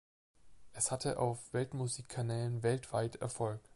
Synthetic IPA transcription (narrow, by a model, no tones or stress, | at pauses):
ʔɛshatʰəʔa̰ʊfv̥ɛltmuziːkʰːanɛːlənvɛltv̥aɪtɛ̰ɐfɔlk